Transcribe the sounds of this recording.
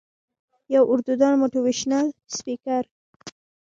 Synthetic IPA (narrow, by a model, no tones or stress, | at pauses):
jawʔʊɾd̪ud̪ɑnmoʈiwiʃnalspikaɾ